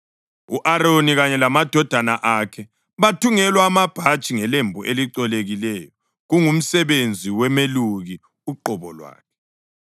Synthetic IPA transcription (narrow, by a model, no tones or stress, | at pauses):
uʔaɾoniɣaɲɛlamad̥ʱɔd̥ʱanaʔakʰɛ | βatʰuŋɛlwaːmab̥ʱadt͡ʃʼiŋɛlembʱuʔeliǀɔleɣilɛːjɔ | ɣuŋum̩sɛβend͡zʱiwɛmeluɣi | uǃɔβɔlwa̰ːkʰɛ̥